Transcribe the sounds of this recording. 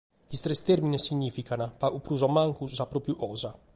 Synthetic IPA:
ist̪ɾɛst̪ɛɾmʲinɛsiɲifikanapaʔupɾuzɔmaŋkuzapɾɔpjuʔɔza

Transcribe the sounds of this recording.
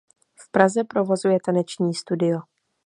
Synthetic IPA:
fpɾazɛpɾo̞vo̞zujɛt̪anɛt͡ʃɲiːst̪udɪjo

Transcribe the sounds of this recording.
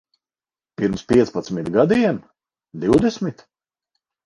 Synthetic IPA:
piɾmspʲiɛt̪spat̪smit̪ɡad̪iɛm | d̪iwd̪ɛsmʲit̪

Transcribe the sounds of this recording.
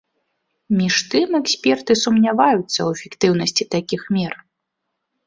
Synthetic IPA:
mʲiʂt̪ɨmɛksʲpʲɛrt̪ɨsumnʲavajut̪sːɐwfʲikt̪ɨwn̪ɐsʲt͡sʲit̪akʲixmʲɛr

